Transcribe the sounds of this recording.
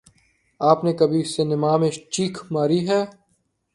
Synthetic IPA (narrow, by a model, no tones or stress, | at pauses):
aːpnekɐbʱisenɪmaːmet͡ʃiːkʰmaːɾiɦɛː